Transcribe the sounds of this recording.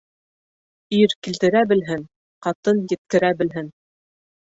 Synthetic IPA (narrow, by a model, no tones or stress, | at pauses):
iɾkilt̪ɘ̆ɾæbɘ̆lɦɘn | qɑt̪ɤnjɘ̆t̪̚kɘ̆ɾæbɘ̆lɦɘn